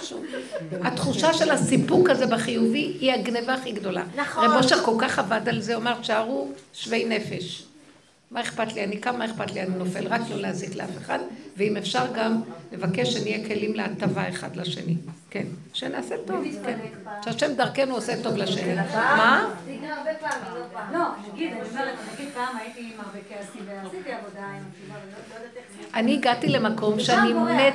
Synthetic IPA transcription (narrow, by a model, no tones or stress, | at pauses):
ʃṵvat̪χuʃaʃe̞lasipukazebaχijuviiaɡnevaːχiɡdo̞la̰ʁeboʃako̞lkaχavadalzeo̞meʃaʁuʃve̞jne̞fe̞ʃ | maeχpatlianikamaeχpat̪lianinofelʁaklo̞leaziklea̰feχadveimefʃaʁɡamle̞vakeʃʃenijekʰe̞limleatavaeχa̰d̪laʃḛnḭke̞n | ʃenaːseto̞vken | ʃeaʃemdaʁkenuoseto̞vlaʃenima | ballonaɡidnaɡid̪̚pamait̪imabikeasiivoda | aniːɡatile̞mako̞mʃeanine